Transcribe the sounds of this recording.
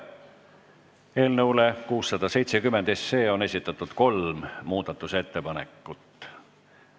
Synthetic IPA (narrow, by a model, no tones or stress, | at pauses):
e̞ːlnɤuwle̞kuːsːɑd̪̥ɑse̞jt̪sekymːend̪e̞sːe̞ːo̞ne̞sʲit̪ːˑɑt̪ːˑud̪̥ko̞lmmuːd̪̥ɑt̪ːˑuse̞t̪ːe̞pɑnekːˑut̪ːˑ